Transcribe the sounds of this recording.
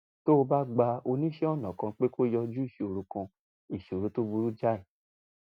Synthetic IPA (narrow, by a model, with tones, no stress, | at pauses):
to˦o˧ba˦ɡ͡ba˧o˧nĩ˦ʃɛ˦ɔ˦˨nã˨kã˧k͡pe˦ko˦jɔ˧d͡ʒu˦i˦˨ʃe˨o˨ɾu˧kã˧ | i˦˨ʃe˨o˨ɾu˨˦to˦bu˧ɾu˦d͡ʒa˦i˨